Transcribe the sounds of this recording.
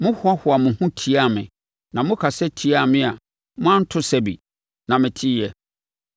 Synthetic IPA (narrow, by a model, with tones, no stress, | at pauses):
mʊ̃˦hʊ˦a˦hʊ˨a˨mʊ̃˨hʊ̃˦tʰi˦a˦˨mɪ̰̃˨ | nã˨mʊ̃˦kʰa˨sɛ˦tʰi˨˦a˦˨mɪ̃˦a˨ | mʊ̃˦ã˦n̩˦tʰʊ˦sɛ˨bḭ˨ | nã˨mɪ̃˨tʰi˦jɛ˨